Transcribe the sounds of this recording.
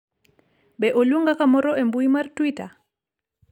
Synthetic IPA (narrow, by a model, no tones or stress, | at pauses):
bɛʔoluŋɡakamɔɾɔɛmbuimaɾtwita̰